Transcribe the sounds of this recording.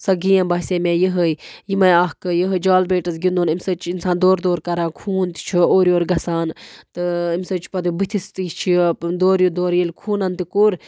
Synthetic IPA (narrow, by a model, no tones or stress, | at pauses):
sɐɡijɐ̃nbɐɦseːmẽːjiɦəjjimɐjaːɦkɨjəɦəd͡ʒaːlbeːʈɐzɡind̪oːnimʲsɐt͡ʃʰinsaːnd̪oːɾd̪oːɾkɐɾaːnkʰuːnt̪i̥t͡ʃʰioːɾioːɾɡɐsaːnt̪ɨimʲsɐt͡ʃʰpɐd̪ubɨt̪ʰist̪it͡ʃʰid̪oːɾjud̪oːɾjilʲkʰuːnɐnt̪ikuɾ